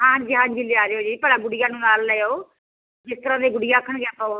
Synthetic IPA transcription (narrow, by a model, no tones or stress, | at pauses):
ɦãːd͡ʒɪɦãːd͡ʒileaːɾeːoːd͡ʒipəɽaːɡʊɽɪjaːnũːnaːlːɛːjoː | d͡ʒɪst̪əɾãːd̪eːɡʊɽɪjãːkʰəɳɡɛːpaoː